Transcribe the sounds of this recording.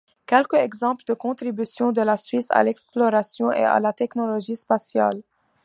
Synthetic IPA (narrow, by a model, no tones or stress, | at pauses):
kʲɛlkəɛɡzɑ̃pld̪əkɔ̃t̪χibysjɔ̃d̪əlasɥisa̰lɛksplɔʁasjɔ̃ʔḛa̰lat̪ɛknɔlɔʒispasja̰l